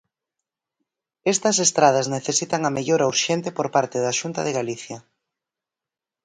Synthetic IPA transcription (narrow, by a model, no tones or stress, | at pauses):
est̪ɐs̬est̪ɾað̞ɐzneθesit̪ɐŋɐmeʎoɾauɾʃent̪epoɾpaɾt̪ɪðaʃunt̪ɐ̰ðeɣaliθjɐ